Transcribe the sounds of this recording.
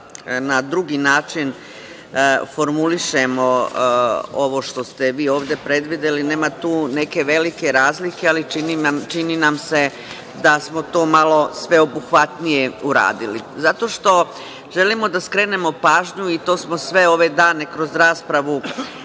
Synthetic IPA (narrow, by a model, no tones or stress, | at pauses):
nad̪ɾuɡinaːt͡ʃin | fo̞ɾmuliʃe̞mo̞ | oʋo̞ʃt̪o̞st̪eʋiːoːʋd̪e̞pɾe̞d̪ʋid̪eline̞ːmat̪uːne̞ke̞ʋe̞like̞ɾaːzlike̞aliint͡ʃininamse̞ | d̪asmo̞t̪o̞ːmalo̞sʋe̞o̞buxʋat̪nije̞uɾa̰ːd̪ilizat̪o̞ʃt̪o̞ | ʒe̞limo̞d̪askɾe̞ːne̞mo̞paːʒɲuit̪o̞ːsmo̞sʋe̞o̞ʋe̞d̪aːne̞kɾo̞zɾaːspɾaʋu